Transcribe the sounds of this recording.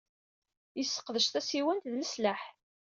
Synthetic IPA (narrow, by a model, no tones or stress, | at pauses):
jəsːə̥qðəʃθæsiwænt̪ðləsləħ